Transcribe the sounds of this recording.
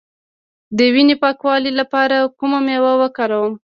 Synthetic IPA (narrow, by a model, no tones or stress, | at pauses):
d̪əwinepɑkwɑlilapɑɾakumamewawəkɑɾawəm